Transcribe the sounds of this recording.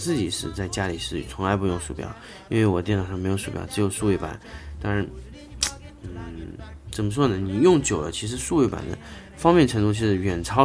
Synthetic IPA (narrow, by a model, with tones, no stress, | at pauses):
t͡sɹ̩˥˩t͡ɕi˨˩ʂɻ̩˥˧t͡sa˥˩ɪt͡ɕja˥li˨˩ʂɻ̩̰˥˩˨t͡sʰʊ˧˥ŋla˧˥ɪpu˧˥jʊ˥˧ŋʂṵ˥˩pjɑ̰˨˩˦ʊ | i˥nwe˥˩ɪwɔ˨˩t̪jɛ˥˩nɑ˨˩ʊʂɑ˥˩˧m˧˥ɪjo˧˥ʊʂu˥˩pjɑ̰˨˩ʊʈ͡ʂɻ̩˧˥jo˨˩ʊʂu˥˧we˥˩ɪpa̰˨˩˦nt̪a˥ŋa˧˥˩n | n̩˥˩ | t͡sə˨˩nmə˦ʂ̬wɔ˥nə˩ni˨˩jʊ˥˩ŋt͡ɕjo˨˩ʊd̪ə̰˦t͡ɕʰi˧˥ʂ̬ɻ̩˧˥˧ʂu˥˧we˥˩ɪpa̰˨˩nd̪ə̰˦ | fɑ˥ŋmjɛ˥˩nʈ͡ʂʰɤ˧˥ŋt̪u˥˧t͡ɕʰi˥˧ʂɻ̩˥˩ɥɛ˨˩nt͡sʰɑ˥